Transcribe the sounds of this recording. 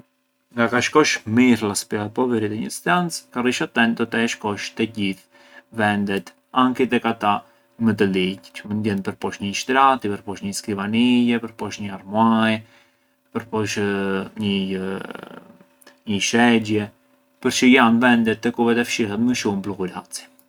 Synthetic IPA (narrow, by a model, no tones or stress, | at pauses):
ŋɡakaʃkɔʃmiɾlaspiapɔvɛɾit̪ɛɲəst̪ant͡skariʃat̪ɛnd̪ɔt̪ɛʃkɔʃt̪ɛɟiθ | vɛnd̪ɛt̪ | aŋkit̪ɛkat̪a | mət̪̬əlict͡ʃəmənd̪jɛnpəɾpɔʃɲəʃt̪ɾat̪ipəɾpɔʃɲəsklivanijɛpəɾpɔʃɲəaɾmaj | pəɾpɔʃɲə | ɲəʃɛɟjɛ | pəɾt͡ʃəjanvɛnd̪ɛt̪ːəkuvɛt̪ɛfʃiɦɛt̪məʃumplukuɾat͡si̥